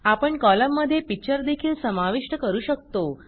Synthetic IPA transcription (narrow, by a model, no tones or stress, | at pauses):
apəɳkɔləmːəd̪ʱːjepik̚t͡ɕəɾd̪ekʰiːlsəmaʋiʂʈəkəɾuːɕək̚t̪o